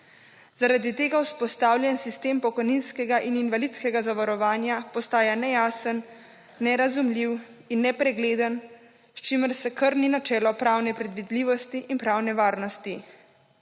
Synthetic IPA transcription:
z̥aɾad̪it̪eːɡawspɔst̪aːwlʲjɛnsist̪eːmpɔkɔjninskɛɡaʔininʋalit̪skɛɡazaʋaɾɔʋaːnjapɔst̪aːjanɛjaːsənː | ɛɾazumlʲiw | inːɛpɾɛɡleːd̪ən | st͡ʃiməɾsɛkəɾninat͡ʃɛːlɔpɾaːwnɛpɾɛd̪ʋid̪liːʋɔst̪iʔinpɾaːwnɛʋaːɾnɔst̪i

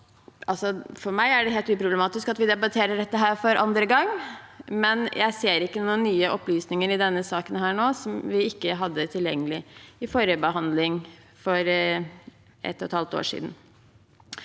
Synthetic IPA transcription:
ʔɑlsɔfɔɾmæɪæɖɛɦeːlt̪ʉːpʰɾʊblɛmɑːt̪ɪskɑt̪ʋɪd̪ɛbɑt̪ʰeːɾəɖɛt̪ːəɦæːɾfɔɾʔɑ̰nd̪ɾəɡɑŋːmɛnjʔæɪseːɾɪkːənuːənːyːəʔɔplyːsnɪŋəɾɪd̪ɛnːəsɑːkənɦæːɳoːsɔmʋɪɪkːəɦɑd̪ːət̪ʰɪljɛŋːəlɪɪfoːɾjəbəɦɑnd̪lɪŋ | fɔɾ | ʔɛ̰t̪ːɔt̪hɑlt̪o̰ːʂḭːd̪n̩

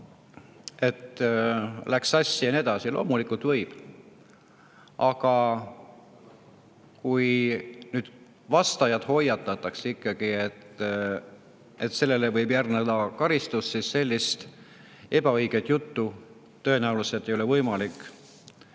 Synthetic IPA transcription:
e̞t̪ | læksɑsʲːijɑned̪ɑsilo̞ːmulikult̪vɤjb̥ | ʔɑɡ̥ɑ | kujnyːd̪̥ | vɑst̪ɑjɑd̪̥ho̞jɑt̪ːˑɑt̪ːˑɑksikːɑɡ̥iet̪ː | e̞t̪se̞lːe̞levɤjbjærned̪ɑkɑɾist̪usːisːe̞lʲːist̪ | e̞bɑɤjɡ̥et̪jut̪ːu | t̪ø̞e̞næuluset̪ːˑe̞jo̞le̞vɤjmɑlikːˑ

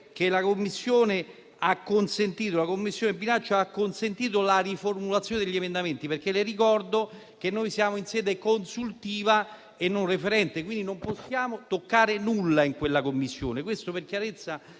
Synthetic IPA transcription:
k̟elakomːisːjoːne | akːonsent̪iːt̪olakomːisːjoːnebinat͡ʃːoakːonsent̪iːt̪̬olariformulat̪sjoːned̪eʎːemend̪ament̪iperk̟elerikɔrd̪o | k̟enːojsjaːmoinsɛːd̪ekonsult̪iːva | enːonrefeɾɛnt̪ekwind̪inomposːjaːmot̪okːaːɾenulːaiŋkwelːakomːisːjo̰ːnekwest̪operk̟jaɾet̪sːa

